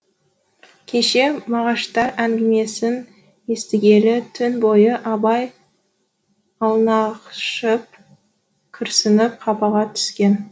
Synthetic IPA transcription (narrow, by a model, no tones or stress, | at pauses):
kʲʰe̞ʃe̞mɑʁɑʃt̪ɑɾæŋɡʲɪme̞sɪn | e̞st̪ɪɡʲe̞lɪt̪ʰʏnbo̞jəʔɑbɑj | ɑlˠnɑqʃəp̚ | kʲʰʏɾsɪnɪp̚qʰɑpɑʁɑt̪ʰʏ̥skʲe̞n